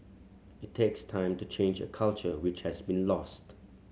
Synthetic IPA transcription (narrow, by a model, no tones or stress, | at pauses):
ɪtʰːekstʰãɪ̃mtut͡ʃʰẽnd͡ʒə̰kʰalt͡ʃəwɪt͡ʃhɛzbĩnlɔst